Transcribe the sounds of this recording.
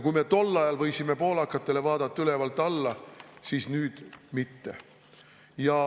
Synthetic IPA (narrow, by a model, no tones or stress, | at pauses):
kujme̞t̪o̞lːɑjɑlvɤ̞jsime̞po̞ːlɑkːˑɑt̪ːˑe̞le̞vɑːd̪ɑt̪ˑːɑyle̞vɑlt̪ːˑɑlːɑsiːsnyːd̪̥mit̪ːe̞̰ | jɑ